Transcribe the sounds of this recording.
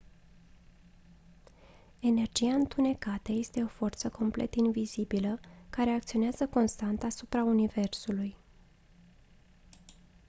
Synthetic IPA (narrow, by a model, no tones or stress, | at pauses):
e̞ne̞rd͡ʒiaɨnt̪une̞kat̪əje̞st̪e̞o̞fo̞rt̪səko̞mple̞̰t̪invizibiləkaɾe̞ak̚t̪sio̞neazəko̞nst̪ant̪asupɾaunive̞rsuluj